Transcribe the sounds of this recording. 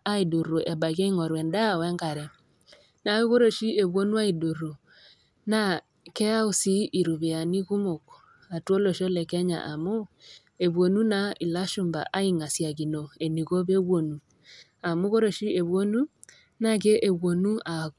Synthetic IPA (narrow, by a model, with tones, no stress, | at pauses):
a˦i˨du˨ɾu˨ʔɛ˨ba˨ɣe˦i˦ŋɔ˨ɾwɛ˨nda˦˨wɛ˦ŋɡa˨ɾɛ˨ | na˨˦u˦ɣo˦ɾo˨ʃi˦e˨βwo˦nu˦a˦i˨du˨ɾo˨ | na˦ | kɛ˦a˦u˨si˦ʔi˨ɾu˨βe˨a˨ni˦ɣu˦mo˨k | a˨two˦lo˨ʃo˦lɛ˨kɛ˦ɲa̰˨ʔa˨mo˦ | e˨βwo˨nu˦na˦i˨la˦ʃu˨mba̰˨ʔa˦i˦ŋa˨sja˨ɣi˨no˨e˨ni˨ɣo˦βe˦βwo˨nu˨ | a˨mu˦ɣo˦ɾo˨ʃi˦e˨βwo˦nu˦ | na˦˨ke˦ʔe˨βo˨nu˦a˨